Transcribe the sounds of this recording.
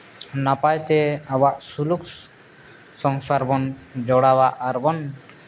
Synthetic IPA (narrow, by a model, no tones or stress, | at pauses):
napajt̪ɛawaʔsuluk | sɔŋsaɾbɔnd͡ʒɔɽawaʔaɾbɔn